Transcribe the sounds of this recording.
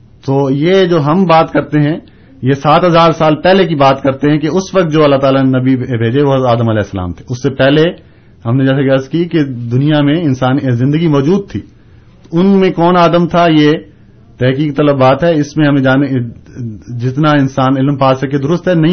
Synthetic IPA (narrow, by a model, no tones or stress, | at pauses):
t̪oːjed͡ʒoːɦɐmbaːt̪kɐɾt̪eɦɛ̃ | jesaːt̪ɦɐzaːɾsaːlpɛɦlekibaːt̪kɐɾt̪eɦɛ̃keʊsʋɐk̚t̪̚d͡ʒoːɐlːaɦt̪aːlanɐbibʱeːd͡ʒeʋoaːd̪əmɐlɛːɪsːəla̰ːmt̪ʰe̥ʊsːepɛɦle | ɦɐmned͡ʒɛːs̬eɡɐɾzkiked̪ʊnijamẽɪnsaːnzɪ̃nd̪əɡimɔːd͡ʒuːd̪̚t̪ʰḭː | t̪ʊnmẽkɔːnaːd̪əmt̪ʰaje | t̪ɛɦkiːk̚t̪ɐləbbaːt̪ɦɛɪsmẽɦɐmẽd͡ʒaːne | d͡ʒɪt̪naɪnsaːnɪlmpaːsɐkːed̪ʊɾʊst̪ɦɛnɐɦĩ